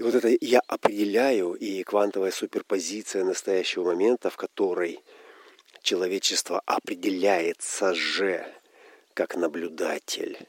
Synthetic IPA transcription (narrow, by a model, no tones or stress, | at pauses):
voɛt̪əjaʔɐpɾʲɪdʲɪlʲæjʊikvant̪əvəjəsupʲɪrpɐzʲit̪sɨjənəst̪ɐjæɕːɪvəmɐmʲe̞nt̪əfkɐt̪o̞ɾəj | t͡ɕɪlˠɐvʲet͡ɕːɪst̪vəʔɐpɾʲɪdʲɪlʲæjɪt̪səʐɛ | kaknəblʲʊd̪atʲʰɪ̰lʲ